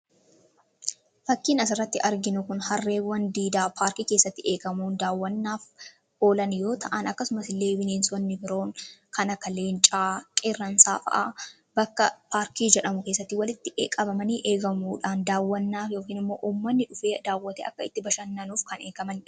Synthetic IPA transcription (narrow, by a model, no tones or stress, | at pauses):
fɐkːiːnɐs̬ɪrːɐt̪ːɪɐɾɡɪnʊkʊnhɐrːe̞ːwːɐnd̪iːd̪aːpʰaːɾkiːke̞ːsːɐt̪ːɪʔe̞ːkɐmuːnd̪aːwːɐnːaːf | o̞ːlɐnjo̞ːt̪ʰɐʔɐnɐkːɐsʊmɐsɪlːe̞ːbɪneːnsɔnːɪbɪɾo̞ːŋkʰɐnɐkːɐleːnt͡ʃʼaːkʼɛrːɐnsa̰ːfɐ̰ʔaː | bɐkːɐpaːɾkiːd͡ʒɛᶑɐmʊkeːsːɐt̪ːɪwɐlɪt̪ːɪʔḛːkʼɐbɐmɐniːʔe̞ːɡɐmuːᶑaːnd̪aːwːɐnːaːfjo̞ːkiːnɪmːo̞ːʔuːmːɐnːɪᶑʊfe̞ːd̪aːwːɐt̪ɛɐkːɐɪt̪ːɪbɐʃɐnːɐnuːfkɐne̞ːɡɐmɐn